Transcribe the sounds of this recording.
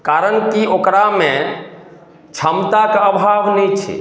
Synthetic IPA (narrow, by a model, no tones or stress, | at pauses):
kaɾənkiokɾamẽ | t͡ʃʰəmt̪akəbʱaʋnɛt͡ʃʰɛ̰